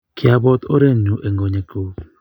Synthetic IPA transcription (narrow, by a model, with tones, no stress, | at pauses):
kʰɪ˨a˨bɔ˦t̪o̰˦ɾe˦˨nu˨ʔe˨ŋɡo˨ɲe˨ko˨